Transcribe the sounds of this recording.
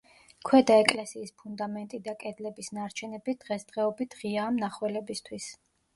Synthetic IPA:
kʰwɛd̪aɛkʼlɛsiːspʰund̪amɛnt̪ʼid̪akʼɛd̪lɛbisnaɾt͡ʃʰɛnɛbid̪̥ʁɛsd̪̥ʁɛɔbit̪ʰʁiaːmnaχwɛlɛbist̪ʰwis

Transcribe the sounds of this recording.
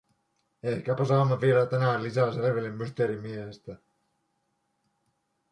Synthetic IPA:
ehkæpæsɑːmːɑʋielæt̪ænæˑlisæˑseleʋilimːyst̪eɾimiehest̪æ

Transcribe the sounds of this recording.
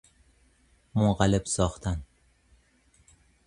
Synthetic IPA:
mʊɴʁalɪpsɒχt̪ʰan

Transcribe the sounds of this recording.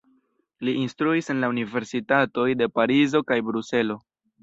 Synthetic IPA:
liinstɾuise̞nlaunive̞ɾsitato̞jde̞paɾizo̞kajbɾuse̞lo̞

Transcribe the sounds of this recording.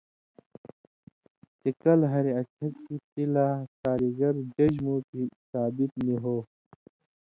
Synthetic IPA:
t͡ʃikɐlɦɐɾeɐt͡ɕʰɐkkit̪ilakaːɾiɡɐɾd͡ʑɐʑmukisaːbit̪niɦoː

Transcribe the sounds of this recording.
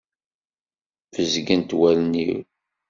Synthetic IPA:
vəzɡənt̪wælnḭw

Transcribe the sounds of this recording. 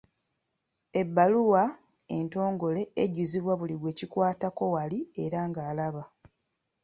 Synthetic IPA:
e̞bːaluwa | e̞nto̞ːŋɡo̞le̞eɟuziβwaβuliɡwe̞ːcikwaːtako̞walie̞ɾaŋɡaːlaβa

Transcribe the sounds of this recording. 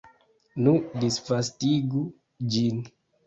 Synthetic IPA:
nudisfastiɡu | d͡ʒin

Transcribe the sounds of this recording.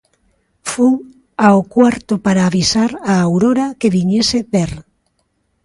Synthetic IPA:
fuŋ | aokwaɾt̪ʊpaɾaːβisaɾaːwɾoɾakeβiɲeseβeɾ

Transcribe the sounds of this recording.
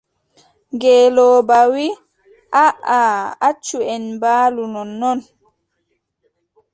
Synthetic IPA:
ŋɡɛːlɔːbawi | ʔaʔaat͡ʃːuɛnbaːlunɔnːɔn

